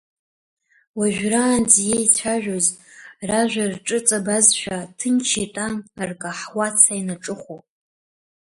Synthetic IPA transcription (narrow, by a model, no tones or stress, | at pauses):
waʒᶣʷraːnzjejt͡sʷʰaʒᶣozraʒʷᶣarʈ͡ʂʼɨt͡sʼabazʃᶣatʰɨnt͡ʃʰetʼanrkʼaħwat͡sʰainaʈ͡ʂʼɨχʷopʼ